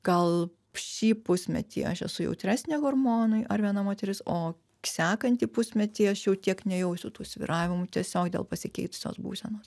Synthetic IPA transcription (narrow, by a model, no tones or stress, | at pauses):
ɡɐlˠ | ʃʲiːpʊsʲmʲɛ̰t̪ʲḭːɐ̰ʃɛ̰sʊjɛ̰ʊt̪ʲɾʲæːsʲnʲɛːɡormoːnʊɪʔɐɾʋʲiɛnɐmoːt̪ʲɛɾʲɪsoː | sʲæːkɐnʲt̪ʲiːpʊsʲmʲɛt̪ʲiːɐʃjɛʊt̪ʲiɛknʲɛjɛʊsʲʊt̪uːsʲʋʲḭɾɑːʋʲɪmʊt̪ʲiɛsʲoːkd̪ʲḛlˠpɐsʲɪkʲɛɪt̪ʊ̥sʲo̰ːsbṵːsʲɛnoːs